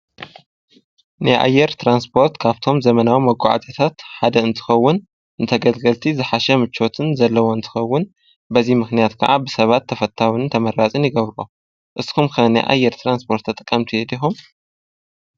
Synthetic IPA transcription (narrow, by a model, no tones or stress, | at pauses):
najʔa̰jːɛɾt̪ʰɾanspʰo̞ɾt̪kʰaβt̪ʰo̞mzɐmɐnawimɐɡʷa̰ʕa̰zɐt̪ʰat̪ħad̪ɐɨnt̪ʰɨ̥xɐwːʊn | ʔɨnt̪ʰɐɡɐlɡɐlt̪ʰizɨħaʃɛmɨt͡ʃʰːo̞t̪ʰɨnzɐlːɐwo̞ɨnt̪ʰɨ̥xɐwːʊn | bɐzimɨxnijat̪kʰɐ̰ʕabɨsɐβat̪ʰːɐfɐt̪ʰːawɨnɨnt̪ʰɐmɐɾːat͡sʼɨnjɪɡɐβɾo̰ | ʔɨskʰumkʰɐna̰jʔa̰jːɛɾt̪ʰɾanspʰo̞ɾt̪ʰːɐt̪ʼɨkʼːɐmt̪ʰijed̪ixum